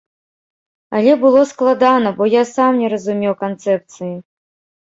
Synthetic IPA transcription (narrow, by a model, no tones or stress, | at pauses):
ɐlʲɛbɨlˠɔsklˠad̪anɐbɔjasamnʲɛɾɐzumʲɛwkant̪sɛp̚t̪sɨji